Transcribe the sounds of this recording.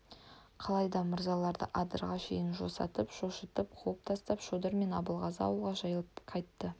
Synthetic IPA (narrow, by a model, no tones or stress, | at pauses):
qʰɑlˠɑjd̪ɑmʊɾzɑlˠɑɾd̪ə̰ʔɑd̪əɾʁɑʃe̞jɪnʒosɑ̰t̪əpʃoʃət̪əp̚qʰuəp̚t̪ʰɑst̪ɑpʃod̪əɾme̞nɑbəlˠʁɑzɑ̰wəlˠʁɑʒɑjəlˠəpqʰɑjt̪ːə